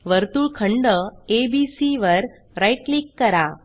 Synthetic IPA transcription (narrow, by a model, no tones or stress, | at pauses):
ʋəɾt̪uːɭkʰəɳɖəebisiʋəɾ | ɾajʈlikːəɾa